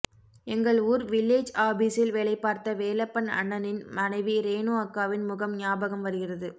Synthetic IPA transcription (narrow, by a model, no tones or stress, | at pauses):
ɛŋɡɐɭuːɾʋɪlːeːd͡ʒaːbiːsɪlʋeːɭɐɪpːaːɾt̪ɐʋeːlɐpːɐnɐ̰ɳːɐnɪnmɐnɐɪʋiɾeːnuːɐkːaːʋɪnmʊɣɐmnɪjaːbɐɣɐmʋɐɾɯɣɪrɐðɯ